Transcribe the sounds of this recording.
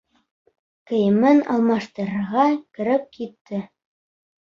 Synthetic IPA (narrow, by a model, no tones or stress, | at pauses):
kɘ̆jɘ̆mɘnɑ̰lˠmɑʃt̪ɤ̆ɾɤ̆ɾʁɑkɘ̆ɾɘp̚kit̪ːɘ